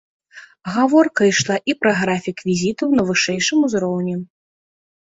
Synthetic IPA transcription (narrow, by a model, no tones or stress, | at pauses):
ɣavɔrkɐjʂlˠaʔipɾɐɣɾafʲikvʲizʲit̪ɐwnɐvɨʂɛjʂɨmuzɾɔwnʲɛ